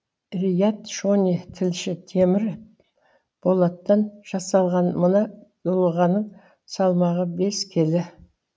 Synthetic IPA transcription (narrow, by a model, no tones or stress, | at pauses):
rʲijat̪ʃonʲit̪ʰɪlʃɪt̪ʰe̞mɪɾ | b̥o̞lˠɑt̪ːɑnʒ̥ɑsɑlˠʁɑnmənɑd̪̥olˠəʁɑnəɴ | sɑlˠmɑʁəbe̞skʲʰe̞lɪ